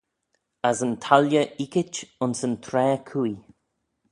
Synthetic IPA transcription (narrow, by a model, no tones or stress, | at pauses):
azənt̪ʰaljəʔikɪt͡ʃʊnsənt̪ʰɾɛːkʰui